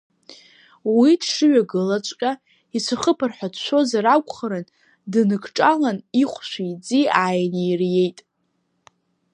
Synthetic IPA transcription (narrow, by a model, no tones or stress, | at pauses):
widʂɨɥaɡɨlat͡ʃʷʼkʲʼa | it͡ɕʷʰaχəpʰɨrħʷᶣadʃʷʰo̞zaɾakʷʰʼχaɾɨn | dɨnɨkʰʈ͡ʂʼalaniχʷʃʷijd͡ziaːjnejrje̞jtʼ